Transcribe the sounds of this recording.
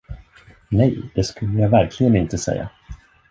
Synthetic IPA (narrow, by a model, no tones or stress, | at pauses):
nɛjd̪ɛskɵlːəjaːvæɾkʰlɪɡənɪnt̪əsɛ̰jːa̰